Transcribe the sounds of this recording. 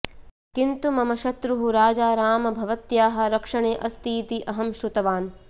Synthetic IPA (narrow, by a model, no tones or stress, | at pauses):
kint̪umɐmɐʃɐt̪ɾuɦuɾaːd͡ʒaːɾaːmɐbʱɐʋɐt̪jaːɦɐ̆ɾɐkʂɐɳeːʔɐst̪iːt̪iʔɐɦɐmʃɾut̪ɐʋaːn